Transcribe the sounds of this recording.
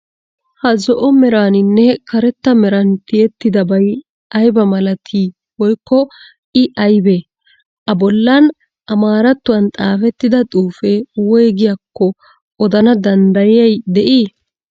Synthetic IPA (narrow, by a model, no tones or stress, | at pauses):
hɐzɔʔɔmɛɾaːnɪnːɛkɐɾɛt̪ːɐmɛɾɐnt̪ɪjɛt̪ːɪd̪ɐbɐj | ɐjbɐmɐlɐt̪ʰi | wɔjkːɔ | ʔɪʔɐjbe | ʔɐbɔlːɐn | ʔɐmaːɾɐt̪ːʊwɐnt̪ʼaːfɛt̪ːɪd̪ɐt̪ʼuːfewɔjɛɡɪjɐkːɔ | ɔd̪ɐnɐd̪ɐnd̪ɐjɪjɐjd̪ɛʔiː